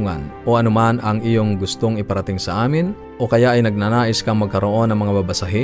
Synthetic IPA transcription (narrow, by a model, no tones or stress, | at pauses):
ŋanʔoʔɐnʊmanɐŋʔijoŋɡʊst̪oŋɪpɐɾɐt̪ɪŋsɐʔaːmɪn | ʔokɐjaʔɐjnɐɡ̚nanaːʔɪskɐŋmɐɡ̚kɐɾoʔo̞nːɐŋmɐŋababɐsaɦɪ